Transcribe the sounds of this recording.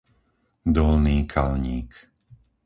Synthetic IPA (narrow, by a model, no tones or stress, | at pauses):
d̪ɔlniːkʰalɲiːk